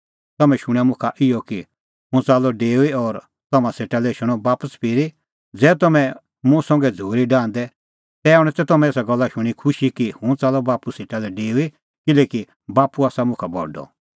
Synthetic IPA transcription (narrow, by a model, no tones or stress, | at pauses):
t̪ɐmɛ̃ʃʊɽ̃ɛ̃mʊ̃kʰaʔɪjɔki | ɦʊ̃t͡saːlɔɖeːuiɔːɾ | t̪ɐmãseːʈalɛʃʊɽ̃ɔbaːpəspʰɪɾi | d͡zɛːt̪ɐmɛ̃ | mũsɔ̃ŋɡɛd͡zʱuːɾiɖãːnd̪ɛ | t̪ɛaːuɽ̃ɛ̃t̪ɛt̪ɐmɛ̃eːsaɡɐlːaʃʊɽ̃ikʰʊʃikihũt͡saːlɔbaːpuseːʈalɛɖeːui | kɪleːki | baːpːuaːsamʊ̃kʰabʱɔ̰ɖɔ̰